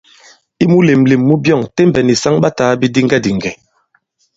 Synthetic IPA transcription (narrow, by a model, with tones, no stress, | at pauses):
i˦mu˦le˨mle˨mːu˦bjɔ˦˨ŋte˦m˨bɛ˨ni˨sa˦ŋɓa˦taː˨˦bi˦di˦ŋɡɛ˦di˨ŋ̩˨ɡɛ˨